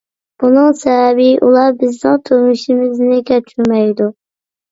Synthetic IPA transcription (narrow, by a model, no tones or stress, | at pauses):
b̥unɨŋsɛvɛbɪʔulˠɑɾbɪznɪŋt̪ʰømɪʃimɪznɪkʲɛt͡ʃʰyɾmɛjd̪u